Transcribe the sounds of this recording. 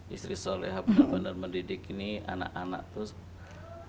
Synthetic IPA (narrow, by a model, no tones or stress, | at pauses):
ist̪ɾisoleɦabənəbənərməndidikinia̰na̰kana̰ʔ̚t̪ʊs